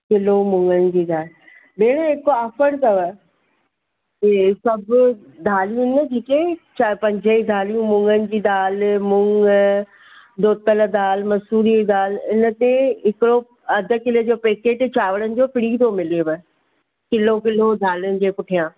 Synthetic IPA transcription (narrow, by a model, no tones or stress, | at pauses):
kɪlomʊ̃ŋɡənɪ̆d͡ʑiːd̪aːl | beːɽ̃əɦɪkoaːfəɽt̪ɐʋə | kesɐbʊ | d̪ʱaːliʊnəd͡ʑeːket͡ɕapɐ̃ɲd͡ʑəid̪ʱaːlijũmʊ̃ŋɡənɪ̆d͡ʑiːd̪aːlmʊ̃ŋɡ | d̪oːt̪əld̪aːlmɐsuːɾid̪aːlɪnə̆t̪eɦɪkɽo | ɐd̪ʱə̆kɪləd͡ʑoːpeːkeːʈt͡ɕaːʋəɽənɪ̆d͡ʑoːpɪɽiːd̪omɪlioʋə | kɪlok̬ɪlod̪ʱaːljʊnɪ̆d͡ʑeːkʊʈʰijãː